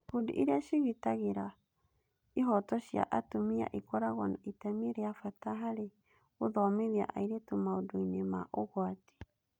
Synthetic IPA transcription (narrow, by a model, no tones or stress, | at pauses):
kudḭʔiɾiaʃiɣitaɣiɾa | iɦɔtɔʃia̰ʔatumia̰ʔikɔɾaɣɔnaʔitɛmiɾeafataɦaɾe | oðɔmeðia̰ʔa̰iɾetumaoduinemaʔoɣoati̥